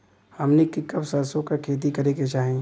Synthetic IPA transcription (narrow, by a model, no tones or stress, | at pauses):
hɐmnikikːɐbsəd̪sõkakʰeːt̪̬ikɐɾeket͡ʃaːɦẽ